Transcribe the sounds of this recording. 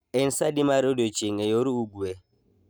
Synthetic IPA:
ɛnsadimaɾodot͡ʃeŋɛjoɾuuɡuɛ

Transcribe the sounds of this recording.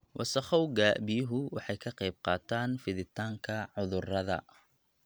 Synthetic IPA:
wʔɑ̰sɑχɐwɡaːʔbɪjʊɦʊwɑħɑjkʰɐqɑjb̚qɑːt̪ʰaːnfɪðɪt̪ʰaːŋkʰɐʕʊðʊrɐðɐ̰

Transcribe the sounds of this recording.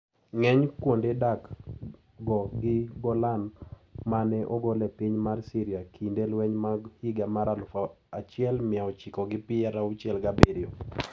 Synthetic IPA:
ŋɛɲkwondedak | ɡɔɡɪɡɔlan | manɛʔɔɡɔlɛpiɲmarsiɾɪakʰindelwɛɲmahiɡamaɾalʊfa | at͡ʃɪɛlmɪaɔt͡ʃɪkɔɡɪpɪɛɾaʊt͡ʃɛlɡabeɾɪo

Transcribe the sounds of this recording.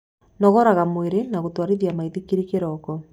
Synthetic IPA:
nɔɣɔɾaɣamweɾenaɣotwaɾiðjamaiðikiɾikeɾɔkɔ

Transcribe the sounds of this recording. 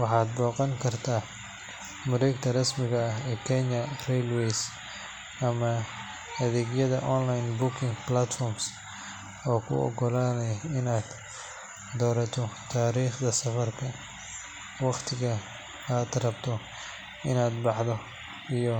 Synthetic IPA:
wɑħɑːd̪̚bɔːqɐŋkʰɐrt̪ʰaː | mʊɾɛːɡt̪ʰɐrɐsmɪɣɐɐɦɛːkʰɛɲɐrɛjlwɛs | ʔɐmɐ | ɐðɛːɡjɐðɐʔɔnlajnbʊkʰɪŋplat̪fɔrms | ɔːkʰʊ̰ɔ̰ɡɔlaːnɛjɪnaːd̪ | d̪ɔːɾɐt̪ʰɔt̪ʰaːɾiːχd̪ɐsɐfɐrkʰɐ | wɑqt̪ʰɪɣɐ | aːd̪rɐbt̪ʰɔ | ɪnaːd̪bɑħd̪ɔ | ijɔ

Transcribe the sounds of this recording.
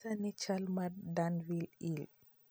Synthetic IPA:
anit͡ʃalmadanvilil

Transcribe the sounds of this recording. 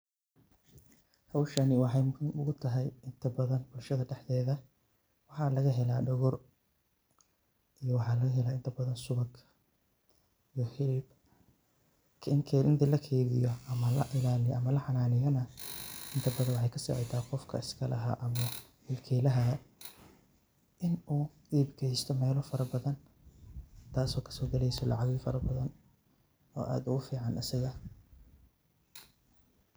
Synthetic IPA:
hɐwʃɐnɪwɑħɑjmkɐnʊɣʊt̪ʰɐɦɛjɪnt̪ʰɐbɐðɐnbʊlʃɐðɐɖɛħðɛːðɐ | wɑħɑlɐɣɐɦɛlaːɖɔɣɔr | ʔijɔwɑħɑːlɐɣɐɦɛlaːɪnt̪ʰɐbɐðɐnsʊβɐɡ | ijɔħɪɾɪb | kʰɐɪŋkʰɛlɪnt̪ʰlɐkʰɛːðɪjɔʔɐmɐlɐ̰ʔɪlaːlɪjʔɐmɐlɐħɑnaːlɪjɐnɐʔɪnt̪ʰɐd̪ɐβɐwʊħɑjkʰɐsɛ̰ħɛ̰jt̪ʰaːqɔfkʰɐɪskʰɐlʔɐɦɐ̰ʔɐmɐ | hɪlkʰɛːlɐɦɐ | ʔɪnuː | iːbkʰɛjst̪ʰɔmɛːlʊfɐɾɐbɐðɐn | t̪ʰaːsɔːkʰɐ̥sɔːɡɐlɛjsɔlɑ̰ʕɑɣɛfɐɾɐbɐðɐn | ɔːʔa̰ːd̪ʊɣʊfiːʕɑnɐsɪɣɐ

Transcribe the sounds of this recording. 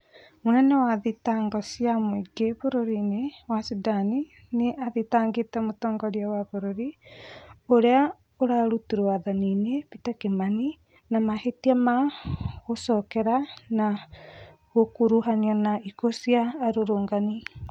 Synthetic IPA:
monɛnɛwaðitaːŋɡɔsiamoiɡeβoɾoɾinewasidani | neʔaðitaːŋɡetɛmotɔːŋɡɔɾiawaβoɾoɾi | oɾea | oɾaɾutiɾoaðaninepitakemani | namahetiamaɣosɔkɛɾana | ɣokuɾuɦaniɔnaikosiaːɾoɾoːŋɡani

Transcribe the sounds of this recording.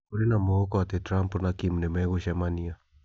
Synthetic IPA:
koɾinamoɣɔkɔat̪ɛtɾampunakimnɛmɛɣoʃɛmania

